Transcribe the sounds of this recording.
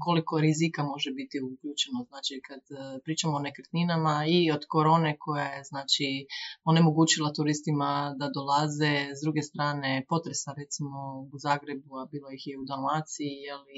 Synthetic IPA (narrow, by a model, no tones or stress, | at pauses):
ko̞liko̞ɾizikamo̞ʒebit̪iukʎuːt͡ʃe̞noznaːt͡ʃikad̪pɾiːt͡ʃamoːne̞kɾt̪ninamaio̞d̪ko̞ɾo̞ːne̞kʰo̞jajeznaːt͡ʃio̞ne̞mo̞ɡuːt͡ʃilˠat̪uɾist̪imad̪ad̪o̞lazezd̪ɾuːɡe̞st̪ɾaːnepo̞t̪ɾe̞saɾet̪simo̞uzaːɡɾe̞buabiːlˠo̞jixjeud̪almaːt̪sijeli